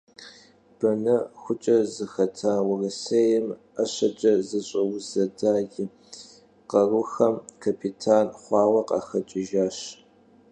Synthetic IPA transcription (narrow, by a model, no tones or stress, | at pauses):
b̥ɐnɐxʷʊt͡ʃʼɐzɨxɐtʰaːwʊrɐsejɛm | ɐɕɐt͡ʃʼɐzɨɕʼɐwʊzɐdaːɡʲi | qɐrʊxɐmkʰapʰitʰaːnχʷɑːwɐqɐ̰xɐt͡ʃʼɪʒaːɕ